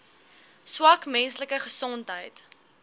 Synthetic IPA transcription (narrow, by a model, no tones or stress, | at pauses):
swɐkmɛnsləkəχəsɔntɦəjt